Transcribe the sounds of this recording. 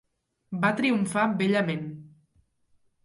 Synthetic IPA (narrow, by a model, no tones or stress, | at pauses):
bat̪ɾiuɱfabeʎəmen